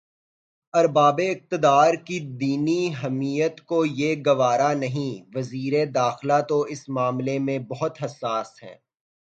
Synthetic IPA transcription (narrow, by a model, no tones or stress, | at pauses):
ɐɾbaːbeɪq̚t̪ɪd̪aːɾkid̪iːniɦɛmiːjət̪kojeɡɐʋaːɾanɐɦĩʋɐziːɾed̪aːxɪlat̪oɪsmaːmlemẽbɐɦʊt̪ɦɐsːaːsɦɛ̰̃ː